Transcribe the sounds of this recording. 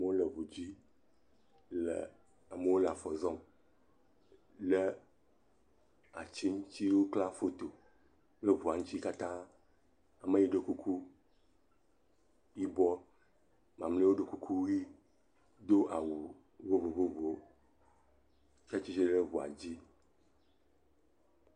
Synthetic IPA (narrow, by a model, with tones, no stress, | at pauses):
mə˦wo˦lə˨βu˨d͡ʑi˦ | lə̰˨ | ə˨mə˦wo˦la˨fɔ˨zɔ̃˦m | lə˦ | a˨t͡ɕi˦ŋũ˦t͡ɕi˦ɖwo˦kla˦fo˦t̪o˨ | le˦βu˨a˨ŋũ˦t͡ɕi˦ka˦t̪ã˦ | a˨me˦ji˦ɖe˨ku˦kʰu˦ | ji˦bɔ˦ | mã˨mle˦wo˦ɖe˨ku˦kʰu˦i˦ | d̪o˦ʔa˨wu˨ | vo˦vo˨vo˦vo˨ | t͡ʃa˦t͡ʃi˦t͡ʃi˦ɖə˦βu˨a̰˨d͡ʑi˦